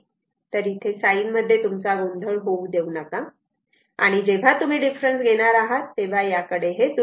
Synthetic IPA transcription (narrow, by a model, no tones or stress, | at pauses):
t̪əɾit̪ʰesainməd̪ʱːjet̪umt͡saɡond̪ʱəɭɦoud̪eunəka | a̰ɽ̃id͡ʑeʋ̤at̪um̤iɖifɾənsɡʱeɽ̃aɾaɦat̪ːeʋ̤ajakəɽeɦet̪u